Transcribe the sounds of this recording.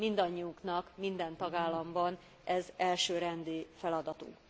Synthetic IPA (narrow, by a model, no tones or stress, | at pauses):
mind̪ɒɲːiuknɒkmind̪ɛnt̪ɒɡaːlːɒmbɒn | ʔɛzɛlʃøːɾɛnd̪ifɛlɒd̪ɒt̪ṵk